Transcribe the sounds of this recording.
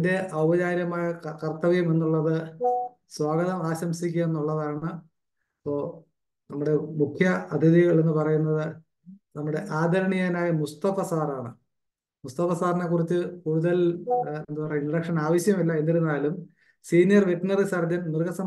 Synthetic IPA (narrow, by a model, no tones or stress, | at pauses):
nde̞ʔɐwbɐd͡ʑaːɾjɐmaːjɐkɐrt̪ɐʋɐjume̞nːuɭːɐðɨ | swaːɡɐðɐmaːɕɐmsik̬ʲːume̞nːuɭːɐðaːɳɨ | pːoː | nɐmːuɽe̞mukʰjɐɐd̪ʱiðiɣɐɭe̞nːɨpɐrɐjunːɐðɨ | nɐmːuɽe̞ʔaːd̪ʱɐɾɐɳijaːnaːjɐmust̪ɐfɐsaːraːɳɨ | must̪ɐpɐsaːrɐnekːurit͡ɕːɨkuːɽuðɐlend̪upɐrɐjiɳrɐkʂɐnaːʋɐɕjɐmilːɐe̞nd̪ːiɾunːaːlum | siːnijɐrʋeʈnɐrisaːrd̪ʱjɐnnirɡɐsɐm